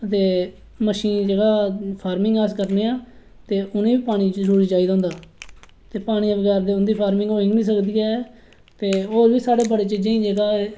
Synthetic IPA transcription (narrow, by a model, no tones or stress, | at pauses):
ət̪eː | məʃiːnd͡ʒəɡaːpʰaːɾmɪŋɡaːskəɾneːãː | t̪eːʔʊnẽːiːpaːɽ̃iːzəɾuːɾiːt͡ʃaːid̪ãːʊːnd̪aː | t̪eːpaːɽ̃ĩːʋəɡɛːɾd̪eːʊnd̪iːpʰaːɾmɪ̃ŋɡoːɪ̃ŋɡnĩːs̬əkd̪iːɛː | t̪eːoːɾʋiːsaːɽeːbəɽeːt͡ʃiːd͡ʒẽːĩːd͡ʒəɡaː